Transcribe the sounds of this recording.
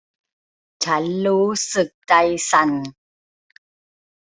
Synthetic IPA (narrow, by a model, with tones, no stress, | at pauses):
t͡ɕʰa˦˥nɾuː˦˥sɯ˨˩k̚t͡ɕa˧jsa˨˧˩n